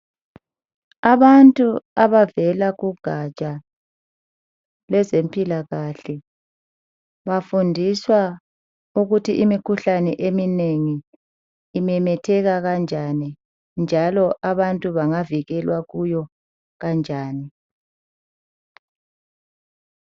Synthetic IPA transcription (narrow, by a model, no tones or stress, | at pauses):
aβantʼuaβavɛlaɣuɡ̥ʱat͡ʃʼa | lɛzempʼilaɣaɬɛ | βafundʱiswa | uɣutʰiʔimikʰuɬanɛʔemineŋiː | mɛmɛtʰɛɣaɣand͡ʒʱani | nd͡ʒʱalɔʔaβantʼuβaŋaviɣɛlwaɣujɔ | ɣand͡ʒʱaːni